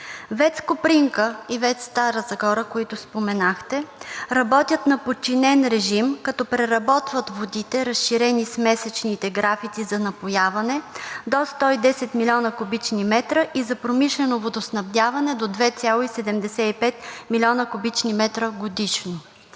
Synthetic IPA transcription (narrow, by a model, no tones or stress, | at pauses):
vɛt̪skopɾiŋkəivɛt̪st̪aɾəzɐxɔɾəkoit̪ʊspomɛnaxt̪ɛɾɐbɔt̪ʲjət̪nɐpott͡ʃːinɛnɾɛʒimkɐt̪ɔpɾɛɾɐbɔt̪vət̪vod̪it̪ɛɾɐsʃiɾɛnismɛsɛt͡ʃnit̪ɛɡɾafit̪sizɐnɐpojavɐnɛd̪ɔst̪ɔid̪ɛsɛt̪milʲɔnəkʊbit͡ʃnimɛt̪ɾəʔizɐpɾomiʃlɛnovod̪osnɐvd̪ʲavɐnɛd̪od̪vɛt̪sʲalˠoisɛd̪ɛmd̪ɛsɛipɛt̪̚milʲiɔnəkʊbit͡ʃnimɛt̪ɾəɡod̪iʃno